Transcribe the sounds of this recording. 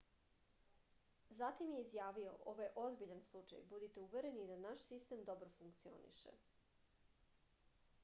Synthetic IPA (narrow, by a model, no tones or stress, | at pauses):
zat̪imjeizjaːʋio̞̰ʔo̞̰ʋajʔo̞zbiʎanslˠut͡ʃa̰jbud̪it̪euʋe̞ɾenid̪anaʃsist̪emd̪o̞bɾofuŋkt̪sio̞̰nḭʃḛ